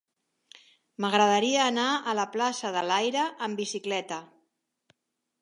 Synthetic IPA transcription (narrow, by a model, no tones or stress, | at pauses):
məɣɾəðəɾiəːnaələplasəðəlajɾəʔəmbisiklɛt̪ə